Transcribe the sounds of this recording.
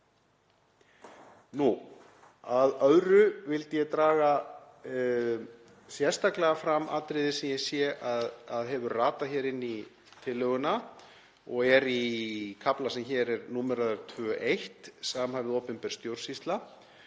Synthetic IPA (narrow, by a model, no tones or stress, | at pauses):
nu | aðœðɾʏvɪlt̪jɛɣt̪ɾaːɣa | sjɛ̥st̪aklɛɣafɾama̰ːt̪ɾɪðɪsɛmjɛsjɛʔaðaðɦɛvʏɾraːt̪açɛːɾɪnːi | t̪ʰɪlːœɣʏna | ɔɣɛɾikʰaplasɛmçɛɾɛɾnuːmɛɾaðʏɾ̥t̪ʰvœːʔejht̪samhavɪðoːwpʏmpɛɾ̥st̪jowɾ̥sist̪la